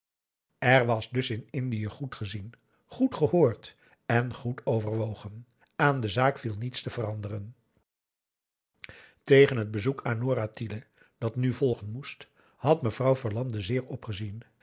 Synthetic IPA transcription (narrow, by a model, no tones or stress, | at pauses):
ɛrʋɑzdɵsɪnɪndijəχutχəzin | χutχəhoːɹt | ɛnχutowvərʋowχən | aːndəzaːkfilˠnitstəvərɑndərən | tejχənɦəd̚bəzukaːnːoːɾatilə | d̥ɑtnyvɔlˠχənmust | hɑtməvrɑwvəɹlɑndəzɪːɹɔpχəzin